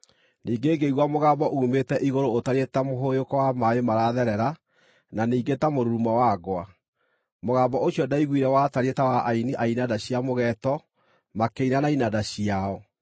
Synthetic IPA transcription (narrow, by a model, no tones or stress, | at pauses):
niːɡeːɡeiɣwamoɣaːmbɔʔuːmetɛʔiɣoɾoːtaɾetamoɦojokɔwamaemaɾaðɛɾɛɾa | naniːɡetamoɾuɾumawaɡwa | moɣaːbɔoɕjɔdaiɣwiɾɛwataɾetawaʔainiʔainadaɕiamoɣɛtɔ | makeinanainadaɕiaɔ